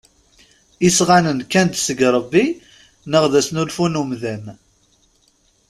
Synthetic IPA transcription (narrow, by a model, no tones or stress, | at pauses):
isʁanənkːænt̪səɡɾˤəbːi | nəʁðæsnulfunumðæm